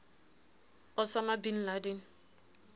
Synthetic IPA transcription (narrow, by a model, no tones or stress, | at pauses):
ʊsamabin̩laden̩